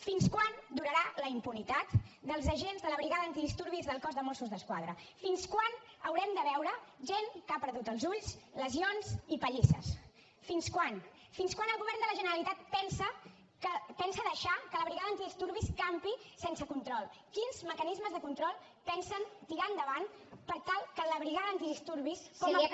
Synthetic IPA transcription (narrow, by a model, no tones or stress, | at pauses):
finskwand̪uɾəɾaləimpunit̪at̪d̪əlˠzəʒenzðələβɾiɣaðəːnt̪iðist̪uɾβizðəlˠkɔzðəmɔsuzðəskwa̰ð̞ɾəfinskwanəwɾɛmd̪əβɛwɾəʒeŋkapəɾðut̪əlˠzuʎsləzionzipəʎisə̰s | finskwan | finskwanəlˠɣuβɛrnd̪ələʒənəɾəlit̪at̪̚pɛnsə | kəpɛnsəðəʃakələβɾiɣaðəːnt̪iðist̪uɾβiskampisensəkunt̪ɾɔlˠkinzməkənizməzðəkunt̪ɾɔlˠ | pɛnsənt̪iɾand̪əβan | pəɾt̪alˠkələβɾiɣaðəːnt̪iðist̪uɾβiskɔmi